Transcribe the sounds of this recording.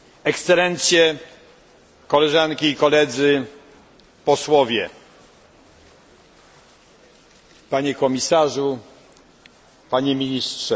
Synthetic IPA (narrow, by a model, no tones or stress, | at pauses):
ɛkst̪sɛlɛnt̪sʲjɛ | kɔlɛʐankʲiːkɔlɛd̪zɘ | pɔswɔvʲjɛ | paɲɛkɔmʲisaʐu | paɲɛmʲiɲistʂɛ